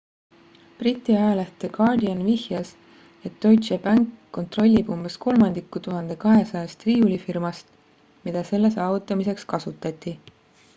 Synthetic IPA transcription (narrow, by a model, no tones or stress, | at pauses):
prit̪ʲˑːiɑjɑlæht̪eɡɑrd̪iɑnvihjɑs | et̪ːo̞jt̪t͡ʃebæŋkːo̞nt̪ro̞lʲːib̥umb̥e̞sko̞lmɑnd̪̥ikːˑut̪uɦɑnd̪̥e̞kɑɦe̞sɑjɑst̪riːulʲifirmɑst̪ | mid̪̥ɑse̞lːe̞sɑːvut̪ːˑɑmise̞kskɑsut̪ːˑɑt̪ʲˑːi